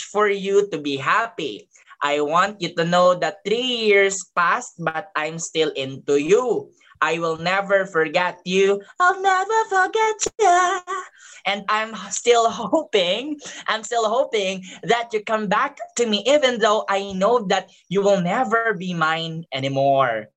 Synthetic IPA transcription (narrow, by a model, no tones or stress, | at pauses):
fɔɹjut̪ubiɦæpḭ | ʔajwɑ̃nt̪̚jut̪unoʊðɐθɾijɪɹspæst̪̚bt̪̚ãjmst̪ɪlɪ̃nt̪uju | ʔajwɪlˠnɛvəɹfɔɹɡɛt̪̚juaɪvnɛvə˞fɔɹɡɛt͡ʃja | ʔɛ̃nd̪ãjmst̪ɪlˠɦooʊpɪ̃ŋʔã̰jmst̪ɪlˠhoʊpɪ̃ŋðɨt̪̚jukʌ̃mbæk̚t̪umiʔivɛ̃nðoʊʔajnoʊðɐt̪̚ | juwɪlˠnɛvɛɹbimãɪ̃nɛnimɔɹ